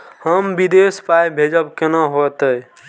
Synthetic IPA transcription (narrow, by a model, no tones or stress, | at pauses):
həmbid̪espajbʱed͡ʒəbkenaɦot̪əj